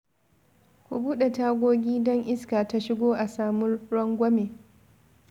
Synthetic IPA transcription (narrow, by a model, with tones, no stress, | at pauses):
kʷu˨buː˦ɗe˨taː˦ɡʷoː˦ɡʲiː˦dɔ˦ŋʔɪ˦skaː˨ta˦ʃɪ˦ɡʷoː˦ʔa˨saː˨mʊ˦rːɔ˦ŋɡʷɐ˦meː˨